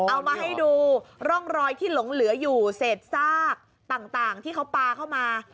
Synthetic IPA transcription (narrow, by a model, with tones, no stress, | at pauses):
ʔa˧wmaː˧ɦa˥˩jduː˧ɾɔ˥˩ŋɾɔː˧jt̪ʰiː˥˩lo˨˩˦ŋlɯ˨˩˦ɐjuː˨˩seː˨˩t̪̚saː˥˩k̚ | t̪aː˨˩ŋt̪aː˨˩ŋt̪ʰiː˥˩kʰa˦˥wpaː˧kʰa˥˩wmaː˧